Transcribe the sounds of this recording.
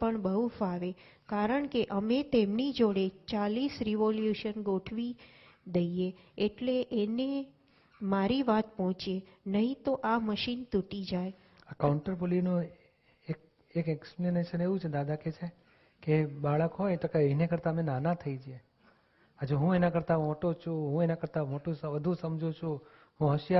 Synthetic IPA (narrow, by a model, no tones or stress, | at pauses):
əɳbəɦufaʋe | kaɾəɳkeʔəmet̪emnid͡ʒoɽet͡ʃalisɾiʋoljuʃənɡoʈʰʋi | d̪əieː | ʈleʔene | maɾiʋat̪pɔɦɔ̃t͡ʃie | nəɦĩt̪oʔaməʃint̪uʈid͡ʒaj | akawɳʈəɾpolinũ | ek̚ | ekɛksplineʃəneʋũt͡ʃʰed̪ad̪ʱaket͡ʃʰe | kebaɭəkɦot̪əkaəɦinekəɾt̪amẽnanat̪ʰəid͡ʒie | ad͡ʒoɦũenakəɾt̪amoʈot͡ʃʰũɦũenakəɾt̪amoʈũsəʋəd̪ʱũsəmd͡ʒot͡ʃʰũ | ɦũɦəʃja